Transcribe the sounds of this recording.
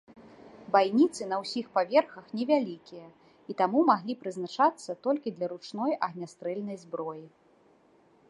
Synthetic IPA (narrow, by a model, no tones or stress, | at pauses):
bajnʲit̪sɨnɐwsʲixpavʲɛrxɐxnʲɛvʲalʲikʲijɐ | it̪amumaɣlʲipɾɨznat͡ʂat̪sːɐt̪ɔlʲkʲid̪lʲɐɾut͡ʂnɔjɐɣnʲast̪ɾɛlʲnɐjzbɾɔji